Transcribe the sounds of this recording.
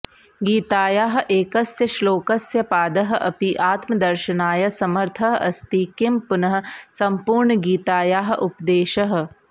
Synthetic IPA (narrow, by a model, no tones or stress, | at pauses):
ɡiːt̪aːjaːɦʔeːkɐsjɐʃloːkɐsjɐpaːd̪ɐɦʔɐ̰piʔaːt̪mɐd̪ɐɾʃɐnaːjɐsɐmɐɾt̪ʰɐɦɐst̪ikɪmpʊnɐɦ̆sɐmpuːɾɳəɡiːt̪aːjaːɦʔʊpd̪eːʃɐɦ